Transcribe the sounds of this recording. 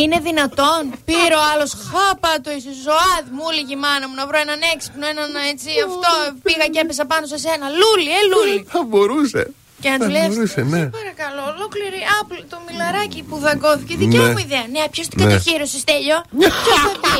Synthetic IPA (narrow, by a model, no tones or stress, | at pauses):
ine̞ðinɐt̪o̞npiɾo̞ɐlo̞sxɐpɐt̪oisoszoɐðmuliʝimɐnɐmunɐvɾoenɐneksi̥pnoenɐnet͡siɐft̪opiɣɐcepes̬ɐpɐnosese̞nɐlulieluliθɐbo̞ɾusḛ | ceɐntulejɐusenepɐɾɐkɐlo̞lo̞kliɾiɐplot̪omilɐɾɐcipuðɐɡo̞θiceðiemuiðeɐneɐpçost̪i̥kɐt̪ɐçiɾosest̪eʎo̞oɐpi